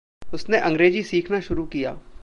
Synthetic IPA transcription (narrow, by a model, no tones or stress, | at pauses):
ʊsneʔɐ̃ŋɡɾeːd͡ʒisiːkʰnaʃʊɾukija̰ː